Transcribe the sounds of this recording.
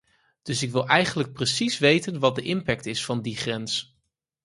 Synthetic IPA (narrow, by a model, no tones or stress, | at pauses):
d̥ɵsɪkʋɪlˠɛjχənlək̚prəsisʋejtənʋɑt̚dəʔɪmpɛk̚tɪsfɑndiχrɛns